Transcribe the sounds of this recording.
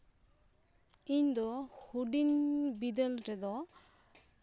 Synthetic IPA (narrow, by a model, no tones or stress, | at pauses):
iɲd̪ɔhuɖinbid̪ɛlɾɛd̪ɔ